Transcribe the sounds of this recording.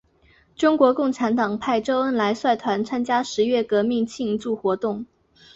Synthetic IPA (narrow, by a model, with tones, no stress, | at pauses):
ʈ͡ʂʊ˥ŋkwɔ˧˥kʊ˥˩ŋʈ͡ʂʰa˧˥nt̪ɑ˨˩ŋpʰa˥˩ɪʈ͡ʂo˥ʊə˥nla˧˥ɪswa˥˩ɪt̪ʰwa˧˥nt͡sʰa˥nt͡ɕja˥ʂɻ̩˧˥ɥɛ˥˩kɤ˧˥mi˥˧ŋt͡ɕʰi˥˧ŋt͡su˥˩xwɔ˧˥t̪ʊ˥˩ŋ